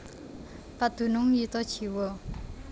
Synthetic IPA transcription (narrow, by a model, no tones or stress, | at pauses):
pad̪̥ṳnʊŋjit̪ɔ̥t͡ʃi̤wɔ